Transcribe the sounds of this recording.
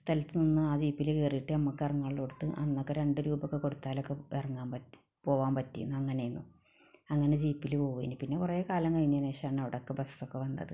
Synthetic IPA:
st̪ʰɐlɐt̪ːɨninːɨaːd͡ʑiːpːilkeːrijiʈːɨɐmːɐkːerɐŋːaːɭiɭko̞ɽut̪ːɨʔɐ̰nːokːeɾe̞ɳɖɨɾuːbɐkːeko̞ɽut̪ːaːlokːeerɐŋːaːmpɐ | po̞ːʋaːmpɐtːijṵnːuɐŋːɐne̞junːu | ɐŋːɐne̞d͡ʑiːpːilpo̞ːʋuʋḛːnupinːekureːkaːlɐŋkɐjiɲːɐneːɕɐaːɳɐʋiɽeokːebɐsːokːeʋɐnːɐ̰ðɨ̰

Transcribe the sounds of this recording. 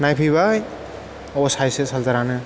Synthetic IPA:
najpʰiβaj | ɔsajsɯsaldaɾanɯ

